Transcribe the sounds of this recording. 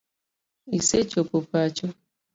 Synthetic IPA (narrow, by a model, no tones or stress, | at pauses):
iset͡ʃopopat͡ʃo